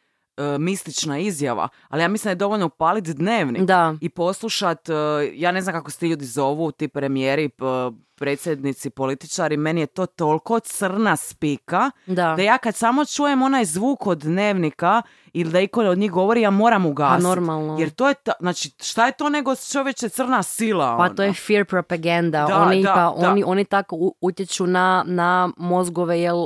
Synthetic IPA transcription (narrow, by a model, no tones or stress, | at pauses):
əmist̪lit͡ʃnaizjaʋa̰ | alijaːmislind̪aed̪oʋoʎnopaːlit̪d̪ne̞ːʋnid̪aipo̞slˠuʃat̪ːjaːne̞znamkakose̥t̪iʎuːd̪izo̞ʋut̪iːpɾe̞mijeːɾi | pɾe̞t̪sjed̪nit̪sipo̞lit̪i̥t͡ʃaɾime̞nijet̪o̞ːt̪o̞lˠko̞t̪sər̩naspikadd̪ad̪ajaːkad̪samo̞t͡ʃuːje̞mo̞najzʋuːkod̪ne̞ːʋnika | ilid̪aikood̪ɲiɦɡo̞ʋoɾijaːmo̞ːɾamuɡaːasnoiɾmalnojeɾt̪oːjet̪znaːt͡ʃiʃt̪aje̞t̪oːne̞ɡot͡ʃo̞ʋjet͡ʃet̪sr̩nasilˠaopanojefiɾpɾopaɡand̪ad̪aonid̪apaʔoaniʔo̞nit̪akouut̪jet͡ʃunanamo̞zɡoʋejel